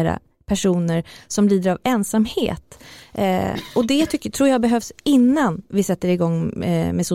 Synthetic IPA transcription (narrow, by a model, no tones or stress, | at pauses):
ɾa̰ | pʰæʂuːnəɾsɔmliːd̪əɾavɛnsamhḛːt̪ | ɔd̪ɛt̪ʰʏkːət̪ʰɾuːjɑːɡbɛɦœvsɪnːanvɪsɛt̪ːəɾɪɡɔŋːmɛsʊ